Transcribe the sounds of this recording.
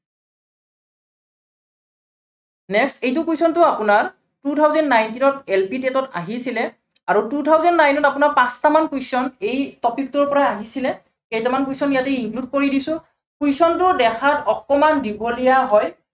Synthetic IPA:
nɛkstejt̬ʊkujsɔntʊapʊnaɹ | tutʰawzɔndnajntinɔtelpitetɔta̰ɦisilɛ | aɹututʰawzɔndnajnɔtapʊnaɹpãstamankujsɔnejtɔpik̚tʊɹpɔɹaaɦisilɛ | kejtamankujsɔnijatɛiŋklud̚koɹidisʊ̃ | kujsɔntʊdɛxʰatɔkɔmandibɔlijaɦɔj

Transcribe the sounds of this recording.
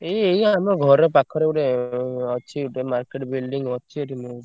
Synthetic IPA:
eejamɔɡʱɔɾɔpakʰɔɾeuʈeɔt͡ʃʰiuʈemaɾkeʈbilɖiŋɔt͡ʃʰieʈimũ

